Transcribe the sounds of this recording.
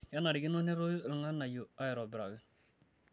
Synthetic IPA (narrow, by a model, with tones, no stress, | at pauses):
ja˦na˨ɾɪ˨ɡɪ˦no˦ne˦ɾo˦ɾu˨ŋa˦na˨ju˨a˦ɪ˨ɾɔ˨bɪɾa˨ɡɯ˨